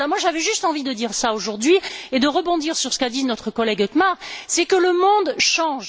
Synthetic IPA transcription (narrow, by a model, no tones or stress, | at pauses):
mwaʒavɛʒyst̪ɑ̃vid̪əd̪iʁsaoʒuʁd̪ɥied̪əʁəbɔ̃d̪iʁsyʁsə̥kad̪inɔt̪χəkɔlɛɡɔkmaʁsɛkələmɔ̃d̪ʃɑ̃ʒ